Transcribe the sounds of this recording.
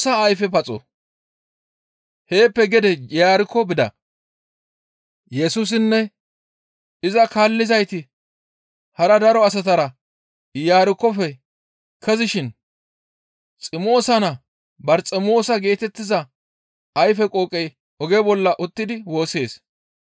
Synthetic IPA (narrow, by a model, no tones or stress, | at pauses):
sɐːjfɛpɐt͡sʼɔ̰ | he̞ːpːɛɡɛd̪ɛjaːɾɪkːɔbɪd̪ɐ̰ | jɛsʊs̬ɪnːɛ | ɪzɐkaːlːɪzɐjt̪ɪ | hɐɾɐd̪ɐɾɔɐs̬ɐt̪ɐɾɐ | jaːɾɪkːɔfɛ | kʰɛzɪʃɪn | t͡sʼɪmo̞ːsɐnɐ | bɐɾt͡sʼɛmo̞ːsɐɡe̞ːt̪ɛt̪ːɪzɐ | ɐjfɛkʼoːkʼɛj | ʔɔɡɛbɔlːɐʔʊt̪ːɪd̪ɪwo̞ːse̞ːs